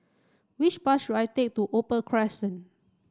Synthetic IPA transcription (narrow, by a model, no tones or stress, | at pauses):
wit͡ʃpat̚ʃudajtek̚tuʔopə̃nkʰɹɛsə̃n